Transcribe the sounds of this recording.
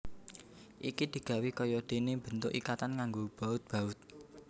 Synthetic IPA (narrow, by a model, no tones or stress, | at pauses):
ʔikid̪̥i̤ɡ̥ä̤wikɔjɔd̪̥e̤neb̥ə̤nt̪ʊkikat̪ankaŋɡob̥a̤ʊt̪̚b̥ä̤ʊt̪̚